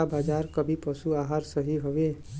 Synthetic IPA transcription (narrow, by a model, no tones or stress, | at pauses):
abaːd͡ʒaːɾkəbʱipəsuaːɦaːɾsəɦiɦoʋeː